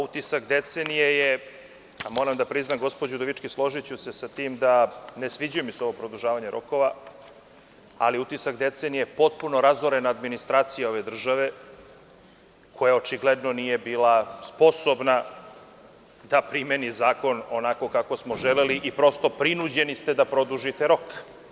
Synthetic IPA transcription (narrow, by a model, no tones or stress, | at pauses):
ut̪isakd̪e̞t̪senijeje | amo̞ːɾamd̪apɾiznaɡo̞spod͡ʑud̪oʋit͡ʃkislˠo̞ʒit͡ɕuse̞sat̪iːmd̪anesʋid͡ʑujemiseo̞ʋopɾod̪̩ʒaːʋaɲeɾʔo̞̰ko̞ʋa | a̰liut̪isakd̪e̞t̪se̞nijepo̞t̪̚puno̞ɾazoɾe̞naːd̪minist̪ɾaːt̪sijao̞ʋe̞d̪r̩ʒaʋe̞ | kʰo̞jao̞t͡ʃiɡled̪no̞nije̞biːlaspo̞sobna | d̪apɾime̞nizaːko̞nonako̞kako̞smo̞ʒeleliʔipɾo̞st̪o̞pɾinud͡ʑe̞nist̪e̞d̪apɾo̞d̪uʒit̪eɾo̞k